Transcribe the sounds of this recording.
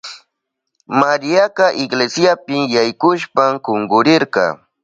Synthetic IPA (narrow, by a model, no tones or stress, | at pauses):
maɾijakɑʔɪɡlesjapɪjajkʊʃpamkoŋɡʊɾɪɾqɑ̰